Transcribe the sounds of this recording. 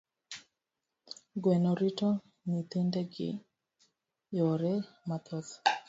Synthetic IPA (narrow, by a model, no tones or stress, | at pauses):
ɡwɛnɔɾito | nit̪endeɡɪ̰ | jɔɾɛmat̪ɔt